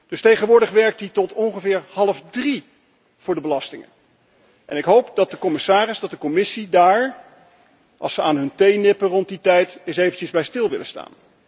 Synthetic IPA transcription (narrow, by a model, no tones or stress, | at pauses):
d̥ɵstejχənʋʊːɹdəχʋɛɹk̚titɔtɔŋχəvɪːɹhɑlˠəfdri | v̥ʊːɹdəbəlɑstɪŋə̰n | ʔɛ̰nɪkɦowp̚dɑt̚dəkɔmɪsaːrɪzdɑt̚dəkɔmɪsidaːɹ | ʔɑ̰lˠsəaːnɦɵntejnɪpərɔnt̚ditɛjtɪsejvənt͡ʃəzbɛjstɪlˠʋɪ̰ləsta̰ːn